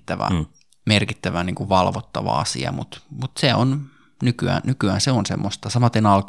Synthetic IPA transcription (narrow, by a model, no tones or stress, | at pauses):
t̪ːæʋæ̰ | merkit̪ːæʋæniːŋkuʋʋɑlʋot̪ːɑʋɑ̰ɑ̰sḭɑ̰mut̪mut̪seon | nykyæ̰ːnnykyæːnseonsḛmːost̪ɑsɑmɑt̪ːenɑlk